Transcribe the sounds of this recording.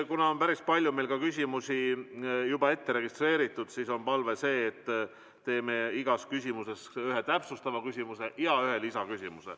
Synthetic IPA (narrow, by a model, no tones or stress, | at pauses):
kunɑo̞npæɾispɑlʲjume̞jlkɑkysʲimusʲijubɑe̞t̪ːe̞ɾe̞ɡist̪re̞ːɾit̪ːˑud̪̥siso̞npɑlve̞se̞ːt̪ː | e̞ːme̞iɡ̥ɑskysʲimuse̞syɦe̞t̪æpsust̪ɑvɑkysimuse̞ʔjɑyɦe̞lisɑkysʲimusḛl